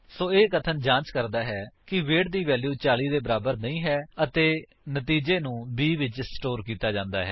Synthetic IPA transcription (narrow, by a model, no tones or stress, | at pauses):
soːeːkət̪ʰənd͡ʒãːnt͡ʃkəɾd̪aːɦɛːkɪʋeːɽd̪iːʋɛːljuːt͡ʃaːliːd̪eːbəɾaːbəɾnəĩːɦɛːət̪eː | nət̪iːd͡ʒeːnũːbiːʋɪt͡ʃsʈoːɾkiːt̪aːd͡ʒãːnd̪aːɦɛ̰ː